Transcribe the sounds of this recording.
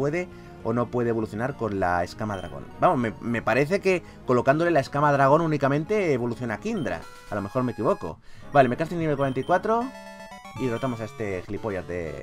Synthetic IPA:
we̞ðe̞ | o̞no̞pwe̞ð̞eβo̞luθjonaɾko̞nla̰e̞skamað̞ɾa̰ɣ̞o̞̰nbamo̞meme̞paɾe̞θe̞ke̞ | ko̞lo̞kand̪ole̞lae̞skamaðɾaɣ̞o̞nunikamẽnt̪e̞ːβo̞luθjo̞nakind̪ɾa̰ | alo̞me̞xo̞ɾme̞kiβ̞o̞ko̞̰ | bale̞me̞kast̪iniβelkwaɾent̪aikwat̪ɾo̞ | irot̪amo̞sae̞st̪e̞xlipo̞ʝat̪̚d̪e̞̰

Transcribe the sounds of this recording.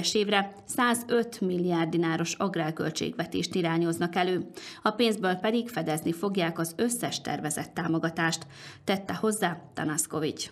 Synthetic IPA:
ʃeːvrɛ | saːzø̞t̪milːiard̪inaːɾo̞ʃɒɡraːlkø̰lt͡ʃḛːɡʋɛt̪ḛːʃt̪iɾaːɲo̞znɒkɛløːɒpeːnzbøːlpɛd̪iɡfɛd̪ɛznifo̞ɡjaːkɒzøsːɛʃt̪ɛ̰rvɛzɛt̪ːaːmo̞ɡɒt̪aːʃt̪ː | ɛt̪ːɛho̞zːaːt̪ɒ̰nɒsko̞vit͡ʃ

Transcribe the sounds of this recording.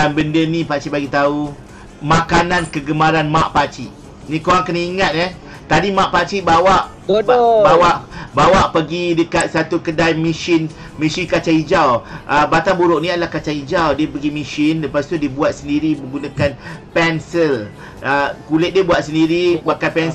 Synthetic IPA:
danbəndənĩpat͡ʃibaɡit̪au | makanãnkəɡəmaɾanmaʔpat͡ʃiʔ | nĩkoɾaŋkəniiŋat̪̚ɛ | t̪adimãʔpat͡ʃibawaʔ | bawaʔbawaʔpəɡidəkat̪̚sat̪ukədajmĩʃɪn | mĩsikat͡ʃaid͡ʒawʔəbat̪aŋbuɾʊʔnĩadəlahkat͡ʃaid͡ʒawdiəpəɡimiʃɪnləpast̪udiəbuat̪̚səndiɾiməŋɡunəkanpɛnsəl | əkulɪt̪̚diəbuat̪̚səndiɾibakanpɛn

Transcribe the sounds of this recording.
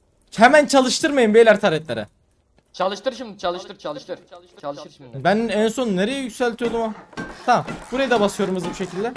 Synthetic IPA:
hemænt͡ʃʰalˠɯʃt̪ʰɯɾmajɯmbejlʲæɾt̪ʰaɾɛt̪lʲeɾɛ̰ | t͡ʃˠɯʃˠ | bænænso̞nːeɾe̞jɛjycʲsælʲt̪ʰijo̞d̪ˠumat̪ʰabuɾajad̪abasɯjo̞ɾumuzɯbuʃe̞cʰilʲd̪ɛ

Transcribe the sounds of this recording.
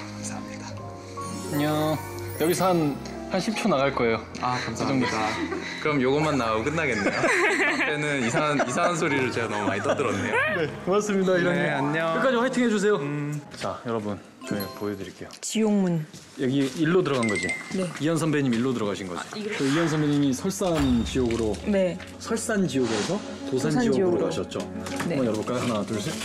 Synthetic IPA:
kkamsʰamɲida | ɲo | jʌɡisʰʌhan | hanɕʰip̚t͡ɕʰonaɣaɭk͈ʌe̞jo | akamsʰaad͡ʑʌŋodakɯɾʌmjoɡʌmanːaok͈ɯnːaɡe̞nːejot͈enɯnisʰaŋanis̬ʰaŋansʰoɾiɾɯɭt͡ɕeɡanʌmuma̰ɲit͈ʌdɯɾʌnːe̞jone̞maɭs͈ɯmɲidaiɾʌnʌɡiaɲɲʌkɯk͈ad͡ʑiɸwaɭtʰɯŋɦe̞d͡ʑus̬ʰe̞jot͡ɕajʌɾʌbɯn | t͡ɕomepoedɯɾik͈e̞jot͡ɕijoŋmun | jʌɡiiɭːodɯɾʌɡanɡʌd͡ʑineijʌns̬ʰʌmbeɲimiɭːodɯɾʌɣaɕʰinɡʌ̰d͡ʑḭt͡ɕʌijʌnsʰʌmbeɲimisʰʌɭs͈ant͡ɕijoɡɯɾone | sʰʌɭs͈and͡ʑijoɡɯesʰʌ | tosʰanioɡoɦaɕʰʌt̚t͡ɕ͈oemʌjʌɾʌbunk͈aiɦanatuɭɕ̬ʰe

